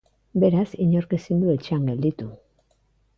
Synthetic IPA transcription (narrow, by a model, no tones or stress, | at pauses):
be̞ɾasiɲo̞ɾkesind̪ue̞t͡ʃeaŋɡe̞ld̪it̪u